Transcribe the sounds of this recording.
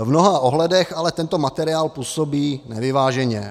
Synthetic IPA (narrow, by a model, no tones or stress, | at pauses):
vnoɦaʔoɦlɛdɛxalɛt̪ɛnt̪omat̪ɛɾɪaːlpuːsobiːnɛvɪvaːʒɛɲɛ